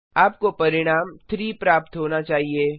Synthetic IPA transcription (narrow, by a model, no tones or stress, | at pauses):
aːpkopɐɾɪɽ̃aːmt̪ʰɾiːpɾaːpt̪ɦoːnat͡ʃaːɦieː